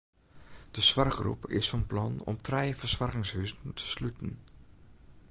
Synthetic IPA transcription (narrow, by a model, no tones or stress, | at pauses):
d̥əsʋɑrχrṵpɪ̰sfɑnplɑnɔ̰mtʰrɛjfərsʋɑrkɪŋshyzəntʰə̥slytən